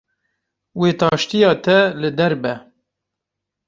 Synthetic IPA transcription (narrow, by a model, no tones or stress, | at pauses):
weːt̪ɑːʃt̪ijɑːt̪ʰɛlɨd̪ɛɾbɛ